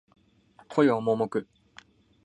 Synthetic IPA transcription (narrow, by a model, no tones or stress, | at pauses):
kʰojomomokɯ̟